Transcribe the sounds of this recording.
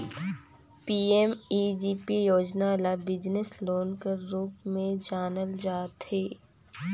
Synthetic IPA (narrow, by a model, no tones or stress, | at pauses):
piːemiːd͡ʒiːpijoːd͡ʒnalabɪd͡ʒnɪsloːnkəɾːuːpmẽd͡ʒaːnəld͡ʒaːt̪ɦeː